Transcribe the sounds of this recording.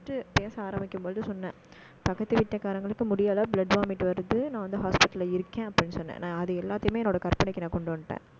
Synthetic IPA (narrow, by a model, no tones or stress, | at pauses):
ʈːɯpeːsɐaːɾɐmbɪkːɯmboːððɯsɔnːɐ | pɐkːɐt̪ːɯʋɪʈːɐkaːɾɐŋɡɐɭɯkːɯmʊɽɪjaːlɐblɐɖʋaːmɪʈːɯʋɐɾɯðɯnãːʋɐnd̪ɯɦaːspɪʈːɐlɐɪɾɯkːẽːɐpːɐɽɪnːɯsɔnːɛ̰̃ːnãːɐðɯɛlːaːt̪ːɐjmeːɛnːoːɽɐkɐɾpɐɳɛɪkːɯnãːkɔɳɖɯʋɐnd̪ɯʈːḛ̃ː